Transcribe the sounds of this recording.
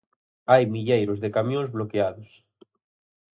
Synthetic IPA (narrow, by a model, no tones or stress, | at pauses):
ajmiʎejɾozðekamjõnzβlokeaðos